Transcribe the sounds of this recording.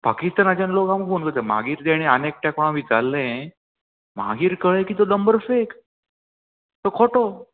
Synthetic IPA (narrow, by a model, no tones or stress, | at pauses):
pakist̪anat͡ɕanlokamɡunɡət̪ẽma̰ɡiːɾd̪eɽ̃iənek̚ʈakoɽ̃ãʋiːd͡zalːẽ | m̤a̰ɡiːɾkəɭẽkiːt̪̬oləmbəɾfek | t̪okʰoʈo